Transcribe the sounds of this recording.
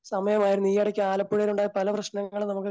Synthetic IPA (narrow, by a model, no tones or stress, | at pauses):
sɐmɐjɐmaːjiɾunːijɐɽɐkʲːuaːlɐpːuɻɐluɳɖaːjɐpɐlɐprɐɕnɐŋːɐɭnɐmukːɨ